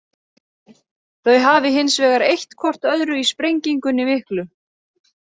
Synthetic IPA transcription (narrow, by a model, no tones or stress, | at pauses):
θœɥɦaːvɪɦɪnsvɛːɣaɾejht̪kʰɔr̥t̪œðɾʏispɾejɲciŋkʏnːɪvɪhklʏ